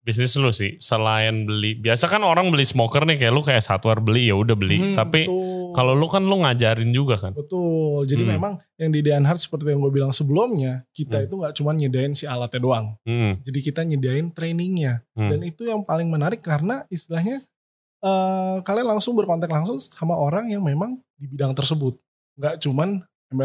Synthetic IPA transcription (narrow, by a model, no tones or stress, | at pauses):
bis̬nɪslʊsɪhsəlaɛnbəlibiasakanoɾaŋbəlismokərnɪkajaʔlokajaʔsat̪warbəlijaudahbəlḭtt̪apikalolokanloŋad͡ʒaɾɪnd͡ʒuɡakanbət̪ʊld͡ʒadimemaŋ | jaŋdideanɦart̪̚sə̥pərt̪ijaŋɡuabilaŋsəbəlumɲakit̪ait̪uŋɡaʔt͡ʃumanɲədaɪnsialat̪adoaŋ̩d͡ʒadikit̪aɲədaɪnt̪ɾenɪŋɲadanit̪ujaŋpalɪŋmənaɾɪkːaɾənaist̪ilahɲa | əkalianlaŋsʊŋbərkɔnt̪ɛklaŋsʊŋsamaʔoɾaŋjaŋmemaŋdibidaŋt̪ərsəbʊt̪̚ | ŋɡaʔt͡ʃuman | ma